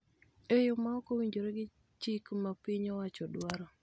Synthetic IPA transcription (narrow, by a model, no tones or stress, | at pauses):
ejomaɔkowiɲd͡ʒoɾeɡɪ | t͡ʃikmapɪɲɔwat͡ʃɔdwaɾɔ